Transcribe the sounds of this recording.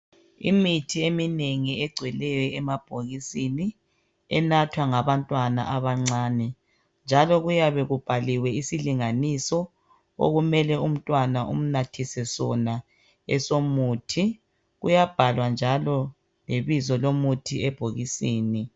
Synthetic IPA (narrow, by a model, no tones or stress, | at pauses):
ḭmitʰiemineŋiɛɡ͡ǀʱwɛlɛjɔɛmab̥ʱoɣisini | ɛnatʰwaŋaβantʼwana̰ʔaβaŋ͡ǀaːnɛ | nd͡ʒʱalɔɣujaβɛɣub̥ʱaliwɛisiliŋanisɔ | o̰ɣumɛlɛum̩tʼwanaʔum̩natʰisɛsɔna | ɛsomuːtʰi | ɣujab̥ʱalwand͡ʒʱalɔ | leβizɔlomutʰiɛb̥ʱoɣisiːni